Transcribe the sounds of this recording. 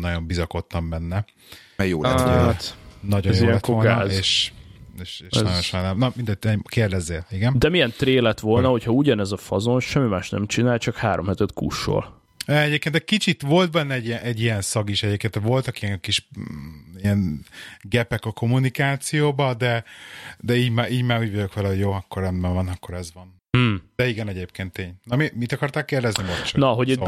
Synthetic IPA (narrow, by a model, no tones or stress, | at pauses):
nɒɟo̞mbizɒko̞t̪ːɒmbɛnːɛ | ɛjoːlɛ̰ao̰t̪nɒɟojziɛŋːɛtk̪oola̰ːzeːʃeːʃeːʃnɒjonʃoknɛmnɒmind̪ɛt̪ːkeːrd̪ɛzːeːliɡɛnd̪ɛmijɛnt̪reːlɛt̪ʋolnɒho̞chɒuɟɒnɛzɒfɒzonʃɛmːimaːʃnɛ̰mt͡ʃinaːjt͡ʃɒkhaːɾomhɛt̪ɛt̪kṵʃːo̰ːl | ɛɛɟʲeːpkeːnɛckit͡ʃit̪vo̞lt̪̚bɛnːɛɛɟiɛnʔɛɟːijɛnsɒɡiʃɛɟeːp̚kent̪ɛʋo̞lt̪ɒkiɛŋkiʃ | ijɛnɡɛpɛkɒko̞munikaːt̪sijoːbɒd̪ɛd̪ɛiːɟmaːɾʔiːɟmaːɾuːɟvɒɟo̞kʋɛlɛɦo̞ɟjoːɒkːoɾɛmbɛɱvɒnɒkːo̞ɾɛzʋɒn̩ː | d̪̥ɛiɡɛnɛɟeːp̚keːnt̪ːeːɲnɒmimit̪ɒkɒrt̪aːkːeːrd̪ɛznibolt͡ʃnɒɦoɟ